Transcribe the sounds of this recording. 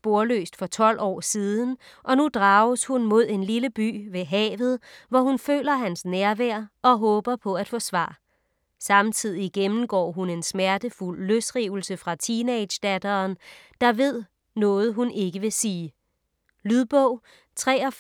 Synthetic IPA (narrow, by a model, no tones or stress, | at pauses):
b̥o̝ɐlø̰ːsd̥fɒ̽t͡sʰɒ̽l̰ʔɒ̰ːsiːð̞ˠn̩ | ʔɒ̽nud̥ʁɑ̈ːʊshunmo̝ð̞̰ˠe̝nliləb̥y̰ːʋe̝ɦɛ̰ːʋð̞̩ˠʋɒhunfø̰ːlɐɦænsnæɐʋæɐ̰ɒ̽ɦɔ̽ːb̥ɐpʰɒ̽æd̥fɒ̽sʋɑ̰̈ː | sɑ̈mt͡sʰið̞̰ˠiɡ̥emn̩ɡ̥ɒ̰ːɦune̝nsmæɐd̥əful̰ːøsd̥ʁiːʊl̩səfʁɑ̈t͡sʰineɪd̥ɕd̥æd̥ɐːn | d̥ɑ̈ʋe̝ð̞̰ˠ | nɔ̽ːð̞̩ˠɦune̝ɡ̥əʋe̝siː | lyðˠb̥ɔʊ̰ | t͡sʰʁɛ̰ːɒ̽